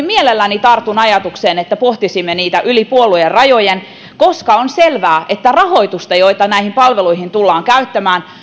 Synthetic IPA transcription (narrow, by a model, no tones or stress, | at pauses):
mielelːænit̪ɑrt̪unɑjɑt̪ukseːnet̪ːæpoht̪isimːeniːt̪æʔylipuolːujerɑjojen | koskɑonselʋæːʔet̪ːærɑho̞it̪ust̪ɑjoit̪ɑnæihimpɑlʋeluihint̪ulːɑːŋkæyt̪ːæmæːn